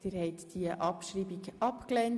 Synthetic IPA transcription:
d̥iɾhɛɪt̪d̪̥iəʔɑpʃɾiːbiɡʔɑpklɛn

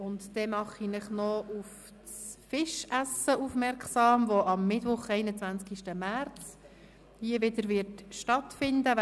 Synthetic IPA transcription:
ʊntd̥ɛmɑχinɪχnɔuf | sfɪʃæsəuːfmɛɾksɑːmʋɔʔɑmːɪtʋʊχɛɪnət͡sʋænt͡skiʃtəmæɾt͡s | hiəʋɪd̪əɾʋɪɾtʃtɑtfɪndə

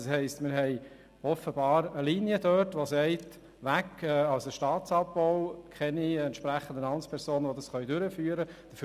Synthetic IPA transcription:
shɛɪstmɪɾɦɛɪ | ɔfəbɑːɾəliːniədøtʋosɛɪt | ʋækːɛːɑʊsəʃtɑːt̪sɑp̚bɔʊkʰɛniɛnt̪ʃpɾæχːən̩d̪ənɑnspʰɛɾsoːnəʋod̪ɑsχœʏdʏɾəfyːəɾəd̥əf

